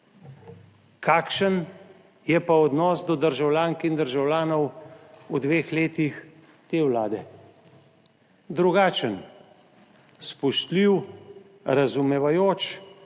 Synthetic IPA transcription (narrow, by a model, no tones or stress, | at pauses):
kʰaːkʃən | jɛpaɔd̪nɔːsd̪ɔd̪əɾʒawljaːŋkind̪əɾʒawlʲjaːnɔwud̪ʋeːxleːt̪ix | t̪eːwlaːd̪ɛ | d̪ɾuɡaːt͡ʃən | spɔʃt̪liw | ɾazumɛʋajoːt͡ʃ